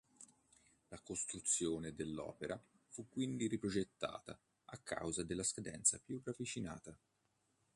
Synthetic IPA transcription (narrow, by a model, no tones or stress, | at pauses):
lakost̪ɾut̪sːjoːned̪elːɔ̰ːpeɾʔa | fukːwind̪iɾipɾod͡ʒet̪ːa̰ːt̪a̰ | akːa̰wzad̪elːaskad̪ɛ̰nt̪sapjuravit͡ʃina̰ːt̪a